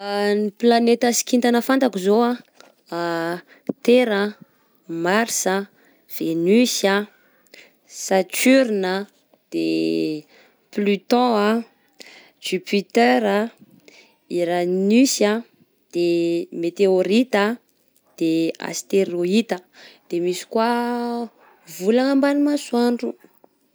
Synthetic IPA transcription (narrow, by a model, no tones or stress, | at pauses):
niplanet̪asi̥kint̪anəfant̪akizoa | t̪eɾə | maɾsə | v̥enysa | sat͡ʃyɾinə | d̪̥e | plyt̪ɔ̃a | d͡ʒypʰit̪øɾa | iɾanysa | d̪̥emet̪eoɾit̪a | d̪̥ea̰st̪eɾoit̪əd̪̥emisi̥kwa | vulaŋambanimasuaɳɖ͡ʐu